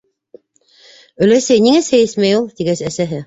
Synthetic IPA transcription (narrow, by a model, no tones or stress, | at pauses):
ɵ̆læsɘjniŋæsæjɘsmæjulˠt̪iɡæsæsæɦɘ